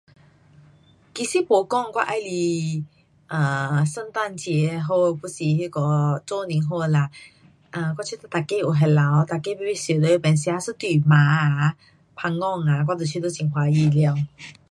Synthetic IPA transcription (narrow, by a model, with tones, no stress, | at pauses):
ki˧si˦po˨˦kɔ˥˨ŋkwa˦˧ʔa˧jli˧ | ʔə˨sə˥˧nt̪a˥˧˨nt͡ɕjɛ˨˦ɦo˧˩pu˧˥si˨hi˧kɔ˨˧˦t͡so˧nĩ˨˦ŋɦo˥˧la˧ | ʔə˨˩k̬wa˦˥˩t͡ɕʰi˧˦t̪a˧˩t̪a˨˩ke˧˦u˨˩ɦɛ˨˧la˨˦wt̪a˨˩ke˧˦bi˧˥˦bi˦sjə˨˩d̪o˧˦˧pɛ˨˩nsja˧sɨ˧˦t̪wi˨˩mã˨˦a˧˦ | pʰa˧ŋːɔ˥˧˩ŋa˨˩kwa˦˧t̪o˨˩t͡ɕʰi˧t̪o˧˦t͡ɕi˨˩ŋxwa˧˦ji˧˩lja˧ŋ